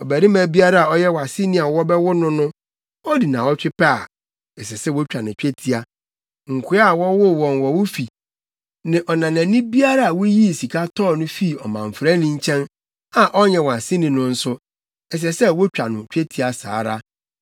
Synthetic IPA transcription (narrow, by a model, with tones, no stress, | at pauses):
ɔ˨bæ˨ɾi˦mæ̃˨bi˦a˦ɾa˦a˨ɔ˦jɛ˦wɔ˨a˨sɪ̃˦nĩ˦a˨wɔ˦bɛ˦wʊ˦nʊ̃˦nʊ̃˦ | ɔ˦di˨nãː˨wɔ˦t͡ɕᶣɪ˦pa˦˨ | ɛ˨s̬ɛ˨sɛ˦wo˦t͡ɕᶣa˨nʊ̃˨t͡ɕᶣe˦tʰi˦a˨ | ŋ̩˨kʰʊ˦a˦a˨wɔ˦wʊ˦wɔ̃˨nwɔ˨wʊ˦fi˨ | nɪ̃˨ʔɔ˨nã˨nã˨nĩ˦bi˦a˦ɾa˦a˨wʊ˦ji˦˨si˨kʰa˦tʰɔː˦˨nʊ̃˦fi˦˨ɔ˨mã̰˨ɱ̩˨fɾa˦nɪ̃˦ɲ̩˦t͡ɕʰɛ̃˦n | a˨ʔɔ˦ɲɛ̃˨wɔ˨a˨sɪ̃˦nĩ˨nʊ̃˦n̩˦sʊ˦ | ɛ˨s̬ɛ˨sɛ˦wɔ˦t͡ɕᶣa˨nʊ̃˨t͡ɕᶣe˦tʰi˦a˨sa̰ː˨˦ɾa˦